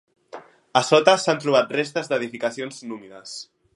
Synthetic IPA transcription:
asɔt̪asant̪ɾuβ̞at̪̚rest̪əzd̪əðifikasionznumiðəs

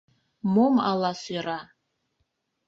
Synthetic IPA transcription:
moma̰lˠasira

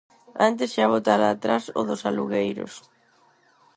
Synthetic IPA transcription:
ant̪esʃaβ̞ot̪aɾaːt̪ɾasʊ̰ðʊsaluɣejɾʊ̰s

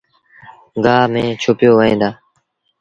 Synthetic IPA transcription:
ɡaːmẽːt͡ʃʰʊpjoːʋəẽːd̪aː

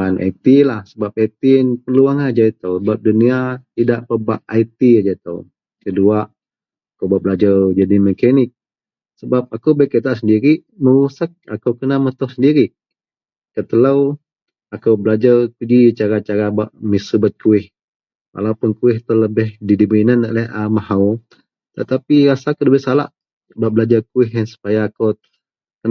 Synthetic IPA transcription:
anʔa̰t̪ilahsəbap̚ajt̪inpəluaŋad͡ʒait̪owbap̚duniat̪idaʔpəbaʔajt̪iad͡ʒat̪ə̰w | kəduaʔ | akəwbaʔbəlad͡ʒard͡ʒadiməkanɪk̚ | səbap̚akəwbakət̪aʔs̬əndiɾi | məɾusak̚akəwkənamət̪ɔhsəndiɾi | kət̪əlaw | akəwbəlad͡ʒart̪udit͡ʃaɾat͡ʃaɾabaʔmisubat̪̚kʰuɪh | wʔa̰lawpʊnkuɪht̪ɔləbɪhdidibinanaʔlɛɦamahaw | t̪ət̪apiɾasakuləbɪhsala̰ʔ | baʔbəlad͡ʒarkuɪɦjansu̥pajaːkow | kə

